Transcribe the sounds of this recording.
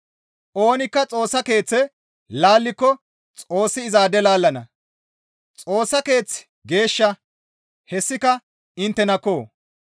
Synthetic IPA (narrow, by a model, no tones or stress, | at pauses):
ʔo̞ːnɪkːɐt͡sʼo̞ːsːɐke̞ːt͡sːɛ | laːlːɪkːɔ | t͡sʼo̞ːsːɪɪzaːd̪ɛlaːlːɐnɐ | t͡sʼo̞ːsːɐke̞ːt͡s | ɡe̞ːʃːɐ | hɛsːɪkɐ | ɪnt̪ːɛnɐkːo̞ː